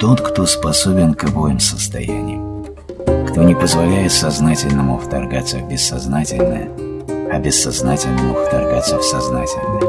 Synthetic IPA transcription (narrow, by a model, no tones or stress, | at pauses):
t̪o̞t̪kt̪ospɐsobʲɪnkɐvojɪmsəst̪ɐ̰jæ̰nʲɪ̰jʊ | kt̪o̞nʲɪpəzvɐlʲæjɪt̪sɐznatʲɪlʲnəmʊft̪ɐrɡat̪sːəvbʲɪsːɐznatʲɪlʲnə̰jə | ɐbʲɪsːɐznatʲɪlʲnəmʊft̪ɐrɡat̪sːəfsɐznatʲɪlʲnəjə